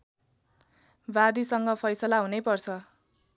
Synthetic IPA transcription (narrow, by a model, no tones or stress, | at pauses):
bad̪isʌŋɡʌpʰʌjsʌlaɦunepʌrt͡sʰʌ